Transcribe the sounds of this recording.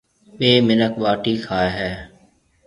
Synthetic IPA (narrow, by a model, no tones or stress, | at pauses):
ʋeːmɪnəkʋaːʈiːkʰaːeɦɛː